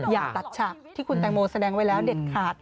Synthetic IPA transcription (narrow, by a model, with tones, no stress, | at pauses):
jaː˨˩k̚t̪a˨˩t̪̚t͡ɕʰa˨˩p̚t̪ʰiː˥˩kʰu˧nt̪ɛː˧ŋmoː˧sa˧dɛː˧ŋwa˦jlɛː˦˥wde˨˩t̪̚kʰaː˨˩t̪̚